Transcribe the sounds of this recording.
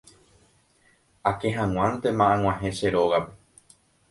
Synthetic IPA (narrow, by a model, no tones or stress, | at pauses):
ake̞ɦãw̃ãnt̪e̞mãʔãŋ̃ʷw̃ãɦẽʃe̞ɾoɣape